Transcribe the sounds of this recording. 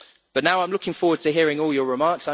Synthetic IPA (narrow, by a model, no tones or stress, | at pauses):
b̥ʌʔnaʊãɪ̃mlʊkʰɪ̃ŋfɔːwəd̚tʰəɦɪəɹɪ̃ŋɔːlˠjəɹɪmɑˑksãɪ